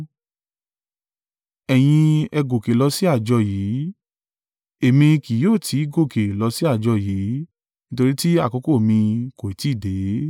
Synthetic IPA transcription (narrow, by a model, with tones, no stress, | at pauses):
ɛ˨j̃ĩ˧ɛ˧ɡo˨ke˨lɔ˧si˦a˦˨d͡ʒɔ˧jiː˨˦ | e˨mĩ˧ki˨˦joː˦˨tʰi˨˦ɡo˦˨ke˨lɔ˧si˦a˦˨d͡ʒɔ˧jiː˨˦ | nĩ˦to˧ɾi˦ti˦a˦˨kɔ˨˧˦ko˦˨mĩ˧ko˨i˨ti˦˨de˨˦